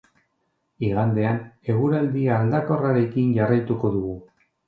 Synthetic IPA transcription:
iɣand̪e̞ane̞ɣ̞uɾald̪iaːld̪ako̞raɾe̞kinɟarajt̪uko̞ðuɣu

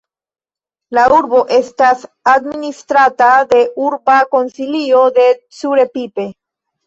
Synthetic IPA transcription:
lauɾbo̞ʔe̞st̪as | ad̪minist̪ɾat̪ad̪e̞ʔuɾbako̞nsiliod̪e̞ | suɾe̞pipe̞

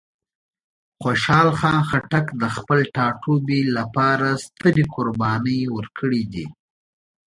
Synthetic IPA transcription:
xoʃɑːlxɑnxaʈakd̪əxpəlʈɑʈʰobilapɑɾast̪əɾikʊɾbɑnəjwəɾkʰəɽid̪i

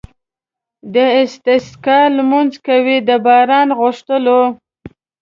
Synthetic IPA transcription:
d̪əɪst̪ɪskɑlmunzkawid̪əbɑɾɑnɣʊʂt̪əlo

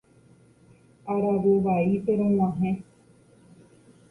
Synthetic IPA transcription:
aɾaʋeʋaipeɾõwãɦẽ

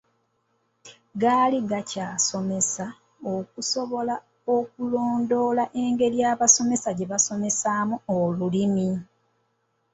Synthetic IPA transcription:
ɡaːliɡacaːso̞me̞sa | okuso̞βo̞la | okuloːndo̞ːlaʔeŋɡe̞ljaːβaso̞me̞saɟe̞βaso̞me̞saːmuolulimi

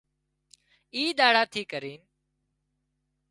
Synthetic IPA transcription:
iːɗ̪aːɽaːt̪ʰiːkəɾiːn

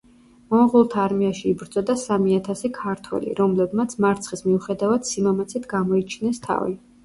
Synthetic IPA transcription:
mɔmʁulˠt̪ʰaːɾmiaʃiːbɾd̪z̥ʼɔd̪asamiat̪ʰasikʰaɾt̪ʰwɛ̰lḭɾɔmlɛbmat̪sʰmaɾt̪sʰχismiuχɛd̪avad̪̥simamat̪sʰit̪ʰɡamɔit͡ʃʰinɛst̪ʰa̰vḭ

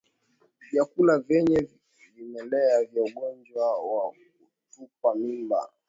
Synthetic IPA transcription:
vjakulavɛɲɛ | vimɛlɛavjauɡɔnd͡ʒwawa | u | tup̚wamimba̰

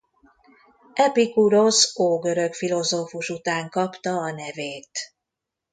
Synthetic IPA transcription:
ɛpikuɾo̞soːɡøɾø̞kfilo̞zoːfuʃut̪aːŋkɒpt̪ɒːnɛveːt̪

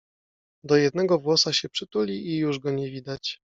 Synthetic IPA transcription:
d̪ɔjɛd̪̚nɛɡɔvwɔsaɕɛpʂɘt̪ulʲiʔijuʐɡɔɲɛvʲid̪at͡ɕ

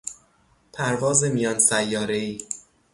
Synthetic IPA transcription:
pʰæɾvɒːzemijɒːnsæjːɒːɾeiː

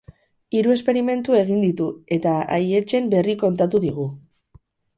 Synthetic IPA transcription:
iɾue̞spe̞ɾime̞nt̪ue̞ɣ̞ind̪it̪ue̞t̪aa̰je̞t͡ʃe̞mbe̞riko̞nt̪at̪uðiɣ̞u

